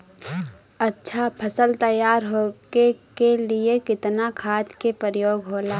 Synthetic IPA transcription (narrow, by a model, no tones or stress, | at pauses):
ɐtːʃʰapʰəsəlt̪əjaːɾɦoːkekeliekɪt̪nakʰaːt̪kepəɾjoːɡɦoːlaː